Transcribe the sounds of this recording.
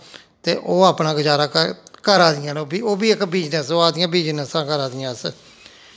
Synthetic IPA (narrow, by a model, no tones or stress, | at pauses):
t̪ḛːʔoːaːpnaːɡəd͡ʒaːɾaːkəkəɾaːd̪ɪjãːnobiːoːbiːɪkbiːd͡ʒnəsoːaːd̪ɪjãːbiːd͡ʒnəsãːkəɾaːd̪ɪjãːs